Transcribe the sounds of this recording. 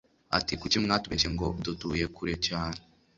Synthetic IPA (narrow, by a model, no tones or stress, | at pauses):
a̰tikut͡ʃimŋatuβeʃeŋɡo̞̰dutuːje̞kʰuɾecaːne